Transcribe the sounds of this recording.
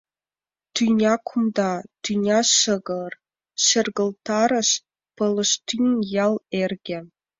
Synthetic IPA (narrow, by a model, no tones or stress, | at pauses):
t̪ynʲɑkʰumd̪ɑt̪ynʲɑʃɤɣɤr | ʃĕrɡɤ̆lt̪ɑɾɤ̆ʃ | pɤ̆lɤ̆ʃt̪ynʲjɑlˠerɡʲĕ